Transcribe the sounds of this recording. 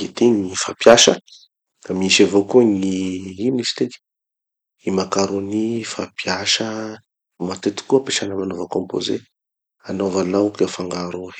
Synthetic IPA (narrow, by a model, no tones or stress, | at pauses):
et̪iŋifapjaʃə | kamiiʃavokuŋiinisi̥t̪ek | imakaɾonifapjaʃə | mat̪et̪i̥kuapeʃanəmanovəkompo̰zḛ | anovalaukafaŋɡaɾu